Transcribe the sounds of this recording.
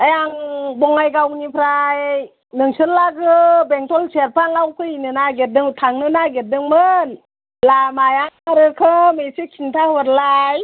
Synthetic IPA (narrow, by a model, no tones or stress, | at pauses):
ajaŋbɔŋajɡawnipʰɾaj | nɯŋsɯɾlaɡɯbeŋtʰɔlseɾpʰaŋlawkʰɯinɯnaɡet̚dɯŋtʰaŋnɯnaɡet̚dɯŋmɯn | lamajaŋaɾɯkʰɯmesikʰintʰahɔɾlaj